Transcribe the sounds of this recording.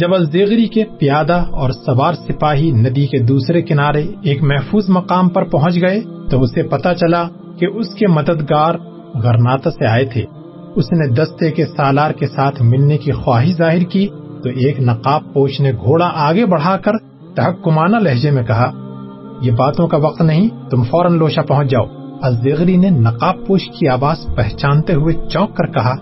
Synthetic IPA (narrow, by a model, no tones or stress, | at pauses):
d͡ʒɐbɐlzeːɣɾikepijaːd̪aɔːɾsɐbaːɾsɪpaːɦinɐd̪iked̪uːsɾekɪnaːɾeeːkmɛɦfuːzmɐqaːmpɐɾpɐɦʊ̃t͡ʃɡɐet̪oʊsepɐt̪at͡ʃɐla | keʔʊskemɐd̪əd̪ɡaːɾ | ɣɐɾnaːt̪aseaːet̪ʰḛː | ʊsned̪ɐst̪ekesaːlaːɾkesaːt̪ʰmɪlnekixwaːɦiʃzaːɦɪɾki | t̪oʔeːknɐqaːpːoːʃneɡʱoːɽaʔaːɡebɐɽ̤aːkɐɾ | t̪ɐɦɐkːʊmaːnalɐɦd͡ʒemẽkɐɦaː | jebaːt̪õkaʋɐq̚t̪nɐɦĩt̪ʊmfɔːɾənloːʃapɐɦʊ̃t͡ʃʰd͡ʒaːo̰ːɐzːeɣɾinenɐqaːpːoːʃkiaːʋaːzpɛɦt͡ʃãːnt̪eɦʊet͡ʃɔ̃ːkːɐɾkɐɦaː